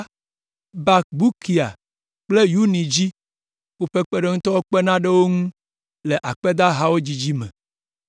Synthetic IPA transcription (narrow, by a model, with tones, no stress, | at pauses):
ba˨k̚bu˦kʰi˨a̰˨ | k͡ple˦ju˦nĩ˨d͡ʑi˦ | wo˦ɸe˦k͡pe˦ɖe˦ŋũ˦t̪ɔ˦wo˦k͡pe˦nã˦ɖe˦wo˦ŋũ˦ | le˨ʔa˨k͡pe˦d̪a˦ɦa˦wo˦d͡ʑi˦d͡ʑi˦mɛ̰̃˨